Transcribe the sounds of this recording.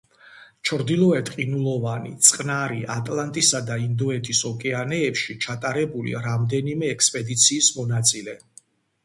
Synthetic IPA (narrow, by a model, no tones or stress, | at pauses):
t͡ʃʰɾd̪ilˠɔɛt̪ʼqʼinulˠɔvanḭt̪sʼqʼnaɾiʔat̪ʼlant̪ʼisad̪aind̪ɔɛt̪ʰisɔkʼɛanɛːpʃit͡ʃʰat̪ʼaɾɛbulḭɾamd̪ɛnimɛːkspʼɛd̪it̪sʰiːsmɔnat̪sʼilɛ